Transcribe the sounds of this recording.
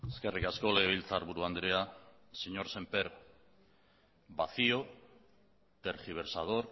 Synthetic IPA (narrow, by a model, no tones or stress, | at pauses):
eskerikaskoleβ̞ilt͡saɾβuɾuand̪ɾea | seɲo̞ɾse̞mpeɾ | baθio | t̪eɾxiβ̞e̞ɾsað̞o̞ɾ